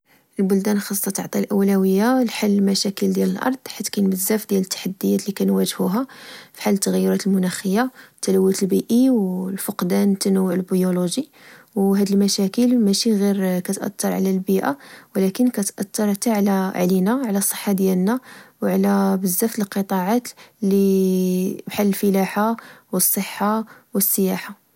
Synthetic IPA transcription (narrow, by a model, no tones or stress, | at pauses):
əlbʊld̪ænxɑsˤːɑt̪əʕt̪ˤilʔæwlæwəjːalħalːəlmæʃækəld̪jæləlʔɑ̰ɾˤd̪ˤħat̪ːkænbəzːæfd̪jælət̪ːḁħad̪ːəjːæt̪likænwæʒhuɦæfi̥ħalət̪ːəɣjːʊɾɑt̪əlmʊnæxəjːat̪ːæləwːit̪əlbiʔiwlfəqd̪ænt̪ænəwːəʕəlbijoloʒi | wɦæd̪əlmæʃækəlmæʃiɣiɾkæt̪ʔæ̰t̪ːɑɾˤʕlælbiʔa̰wlækənkæt̪ʔæt̪ːɑɾˤt̪aʕlæʕlinæʕlæsˤːə̥ħːad̪jælnæwʕlæbəzːæft̪ləlqət̪ˤɑʕat̪li | bħalːəlfəlaħawəsˤːəħːawəsˤːəjaħa